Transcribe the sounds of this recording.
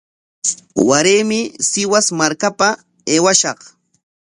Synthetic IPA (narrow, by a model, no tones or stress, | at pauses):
waɾeːmɪsɪwasmaɾkapa | eːwaʃɑq